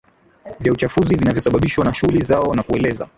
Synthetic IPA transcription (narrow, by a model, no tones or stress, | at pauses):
vjaut͡ʃafuzivinavjɔsaɓaɓiʃwanaʃuɣulizaɔnakuɛlɛza̰